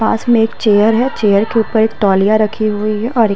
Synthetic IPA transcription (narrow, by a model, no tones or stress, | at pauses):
ã̰ːsmẽeːk̚t͡ʃeːjəɾɦɛt͡ʃeːjəɾkeuːpəɾeːkʈɔːlijaɾɐkʰiɦʊiɦɛʔɔːɾ